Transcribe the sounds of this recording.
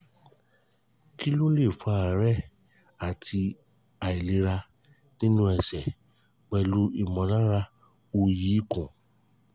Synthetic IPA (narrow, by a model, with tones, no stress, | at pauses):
ki˦lo˦le˦˨fa˧a˨ɾɛ˦˨ | a˨tʰi˧ | a˨i˨le˨˦ɾa˧ | nĩ˦nũ˦ɛ˨sɛ˨ | k͡pɛ˧lu˦i˦˨mɔ̃˨˦lã˦ɾa˧ | o˧ji˨˦i˦kũ˨